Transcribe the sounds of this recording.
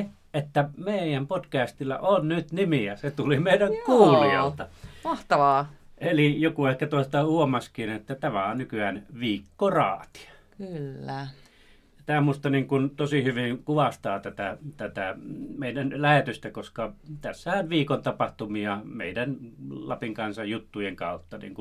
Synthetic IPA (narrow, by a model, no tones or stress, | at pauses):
et̪ːæmeˑijæmpotkæːst̪ilːæ̰ʔonnyt̪nimiæset̪ulimeˑidæŋkuːliɑ̰lt̪ɑmɑht̪ɑʋɑːʔelijokuehkːæt̪ost̪ɑhuomɑskiːnet̪ːæt̪æmæonnykyæːnʋiːkːorɑ̰ːt̪i̥ɑ̥kylːæ | t̪æːmuˑst̪ɑniːŋkunt̪osihyʋiŋkuʋɑst̪ɑːt̪æt̪æt̪æt̪æmeˑidænlæhet̪yst̪ækoskɑt̪æsːæhænʋiːkont̪ɑpɑht̪umiɑmḛˑidænlɑ̰piŋkɑnsɑjjut̪ːujeŋkɑˑut̪ːɑnḭːŋku